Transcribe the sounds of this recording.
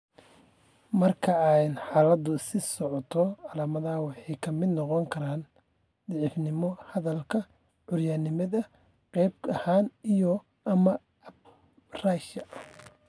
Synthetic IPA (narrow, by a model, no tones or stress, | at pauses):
mɐrkʰɐɛjnħaːlɐd̪ʊsɪsɔʕɔt̪ʰɔʕɑlaːmɐðɐwɑħɑjkʰɐmɪd̪nɔqɔŋkʰɐɾaːn | d̪ɪʕɪfnɪmɔhɐðɐlkʰɐ | ʕʊrjaːnɪmɐðɐ | qɛjb̚ɐhaːnijɔ | ʔɐmɐ | raʃɐ